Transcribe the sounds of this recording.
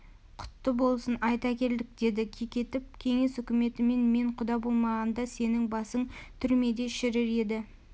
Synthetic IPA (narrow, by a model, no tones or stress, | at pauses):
qʰʊ̥t̪ːəbo̞lˠsənɑjt̪ɑkʲe̞ld̪ɪk̚d̪e̞d̪ɪkʲʰijkʲe̞t̪ɪp̚kʲʰe̞ŋe̞sʏkʲɪme̞t̪ɪme̞nme̞ɴqʰʊd̪ɑbo̞lˠmɑʁɑnd̪ɑse̞nɪŋbɑsəŋt̪ʰʏɾme̞d̪e̞ʃɪɾɪɾe̞d̪ɪ